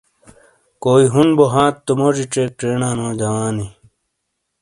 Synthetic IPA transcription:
koːiɦunboɦãːt̪ːumoːd͡ʑiʈ͡ʂeːk̚ʈ͡ʂeːnãːnõːd͡ʑɐwaːni

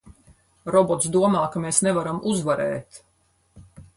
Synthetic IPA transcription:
ɾɔbɔt̪sd̪uɔmaːkameːsnɛvaɾamʔuzvaɾɛ̰ːt̪

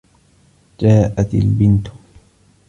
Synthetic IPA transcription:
d͡ʒaːʔat̪ɪ̰lbɪnt̪ʊ̥

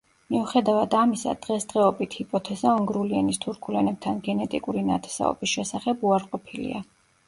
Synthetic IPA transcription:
miuχɛd̪avad̪amisa̰d̪̥ʁɛsd̪ʁɛɔbit̪ʰhipʼɔt̪ʰɛzaɔŋɡɾuliɛnist̪ʰuɾkʰulɛnɛb̚t̪ʰanɡɛnɛt̪ʼikʼuɾina̰t̪ʰɛ̥sa̰ɔ̰bisʃɛsaχɛbuaɾqʼɔpʰilḭa

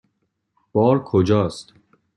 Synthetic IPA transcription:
b̥ɒːɾkʰod͡ʒɒːst̪

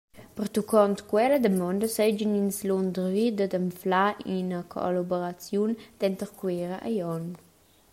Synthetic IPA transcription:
pərt̪ukɔnt̪kwɛləd̪əmɔndəsɛd͡ʒəninslɔnd̪rvid̪əd̪əɱflainəkʰo̰laboɾat͡sjund̪̥ɛnt̪əɾkweɾəʔajɔn

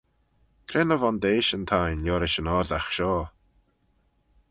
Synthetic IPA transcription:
kʰɾenəvɔnd̪eːʃənt̪ʰajnlʲjɔːɾɪʃənɔːɾdaxʃɔː

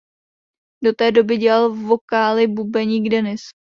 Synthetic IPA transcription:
do̞t̪ɛːdo̞bɪɟɛlalvo̞kaːlɪbubɛɲiːɡdɛnɪs

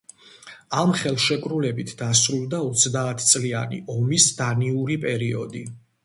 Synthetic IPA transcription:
amχɛlˠʃɛkʼɾulɛbit̪ʰd̪̥asɾulˠd̪aɔt̪sʰd̪aːt̪ʰt̪sʼlianḭʔɔmisd̪aniuɾipʼɛɾiɔ̰d̪i

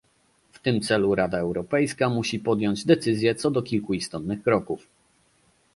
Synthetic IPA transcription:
ft̪ɘmt̪sɛluɾad̪aɛwɾɔpɛjskamuɕipɔd̪jɔɲd͡ʑd̪ɛt̪sɘzʲjɛt̪sɔd̪ɔkʲilkuist̪ɔt̪nɘxkɾɔkuf

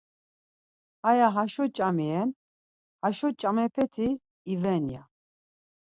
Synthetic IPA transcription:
ajaɦaʃɔt͡ʃʼamɛɛn | haʃɔt͡ʃʼamɛpʰɛt̪ʰiː | vɛnja

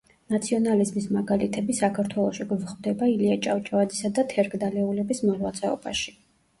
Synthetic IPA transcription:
nat̪sʰiɔnalizmismaɡalit̪ʰɛbisakʰaɾt̪ʰwɛlˠɔʃiɡvχd̪ɛbailiat͡ʃʼawt͡ʃʼavad̪zisad̪at̪ʰɛɾkʰʼd̪alɛulɛbismɔlwat̪sʼɛɔ̰ba̰ʃi̥

